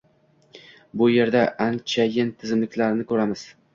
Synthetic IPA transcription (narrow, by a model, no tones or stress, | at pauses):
bʊje̞ɾd̪aʔant͡ʃʰajɪnt̪ʰɪzɪmlɪkʲlaɾnɪkʰɵɾamɪz̥